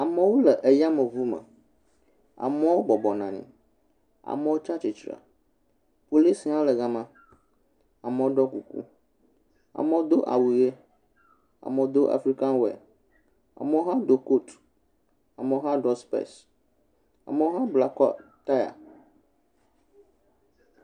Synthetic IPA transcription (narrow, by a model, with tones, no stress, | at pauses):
a˨mə˦wo˦lə˨ʔe˨ja˦mə̃˨vu˦mə̰̃˨ | a̰˨mɛ˦wo˦bɔ˨bɔ˨nã̰˨nḭ̃˨ | a̰˨mə̃˦wo˦t͡ʃa˦t͡ʃi˨t͡ʃɾa̰˨ | po˨li˦sa˦wo˦lə˨ɡa˦mã˦ | a˨mə˨˦wo˦ɖɔ˦ku˨kṵ˦ | a̰˨mẽ˦wo˦d̪o˦ʔa̰˨wu˨je˦ | a̰˨mɛ̃˨˦d̪o˦ʔa̰˨fɾi˦ka˦n˦wɛ̰˨ | a̰˨mɛ˦wo˦ɦã˦d̪o˦ko˦t | a˨mɛ˦wo˦ɦã˦ɖɔ˦spḛ˦s | a̰˨mɛ̃˦wo˦ɦã˦bla˨kɔ̰˦t̪a˦ja̰˨